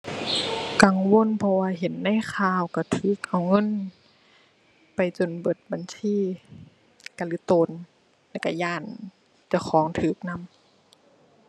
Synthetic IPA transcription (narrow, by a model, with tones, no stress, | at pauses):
ka˨ŋwo˧˥˨npʰɔ˧waː˧ɦe˨˦nːa˧˥˨jkʰaː˧˨wka˧˩t̪ʰɯː˨˩˦k̚ʔa˨wŋɤ˧˥˨n | pa˨jt͡ɕo˧˩nbɤ˨˩t̪̚ba˨nsiː˧˥˨ | ka˧˨lɯː˧˦t̪oː˧˨n | lɛː˧˩wka˧˩jaː˧˩˨n | t͡ɕa˧˩wxʰɔː˨˦ŋt̪ʰɯː˨˩˦k̚na˧˥˨m